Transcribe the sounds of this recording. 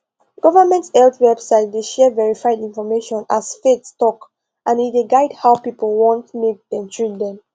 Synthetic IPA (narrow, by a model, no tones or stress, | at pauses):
ɡ̥ɔvəmɛ̃ntsɛltwɛb̥saɪt̚deʃɛvɛɹifaɪdĩnfɔmeʃɔ̃nasfetstɔk | ʔãnideɡaɪdhawpipəlˠwɔ̃ntmek̚dɛ̃mtʰɹitdɛ̃m